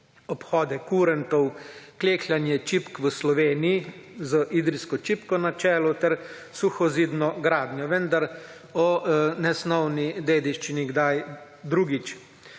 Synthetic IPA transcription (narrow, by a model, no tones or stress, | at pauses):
ɔpxɔːd̪ɛkuɾɛnt̪ɔwkleːklʲjanjɛt͡ʃipkʋəslɔʋeːnijizəʔid̪ɾiskɔt͡ʃipkɔnat͡ʃɛːlɔt̪ɛɾ | suxɔziːd̪nɔɡɾaːd̪nʲjɔʋənd̪aɾ | ɔnɛsnɔwnid̪eːd̪iʃt͡ʃiniɡd̪aj | d̪ɾuːɡit͡ʃ